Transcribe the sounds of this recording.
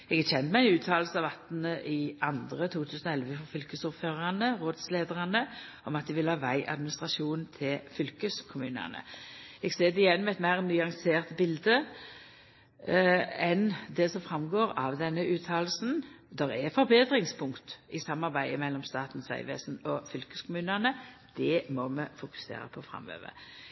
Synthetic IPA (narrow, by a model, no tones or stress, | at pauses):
ɛɡæçɛnt̪mæɪɛnʉːt̪ʰɑːlsn̩ɑʋɑt̪nəʔɪɑnd̪ʁət̪ʰuːt̪ʰʉːsn̩ɔɛlʋəfɔfʏlkəsʊʁføːʁɑnəʁoːd̪sleːd̪əʁɑnəʔɔmɑt̪̚d̪ɪʋɪlhɑːʋæɪʔɑ̰d̪mɪnɪst̪ʁɑʃuːnn̩t̪ʰɪlfʏlkəskʰʊmʉːnə̰nə̰ɛɡseːd̪ɛɪjɛnːmɛɛt̪mæɪʁnyːɑŋseːʁt̪bɪld̪ə | ɛnd̪ɛsɔmfɾɑmɡoːɾɑʋd̪ɛnːəʉːt̪ʰɑːlsn̩ | d̪ɛʁɛfɔɾbeːd̪ɾɪŋspʰʊŋkt̪ɪsɑmːɑʁbæɪəmɛlːɔmst̪ɑːt̪n̩sʋæ̰ɪʋḛːsnɔfʏlkəskʰʊmʉːnənəd̪̥ɛmɔmɛfʊkʉ̥sḛːɾə̰pʰɔfɾɑ̰mø̰ːʋə̰